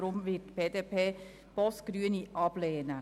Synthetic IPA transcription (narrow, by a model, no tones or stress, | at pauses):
ɾʊmʋɪʈb̥eːd̪eːpʰeː | b̥ɔskɾyːəniːʔɑːbleːənə